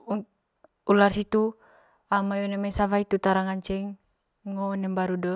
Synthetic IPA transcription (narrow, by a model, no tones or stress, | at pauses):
u | ularsit̪u | amajɔnɛmɛsavait̪ut̪aɾaŋaɲt͡ʃɛŋː | ɔnɛmbaɾudɔ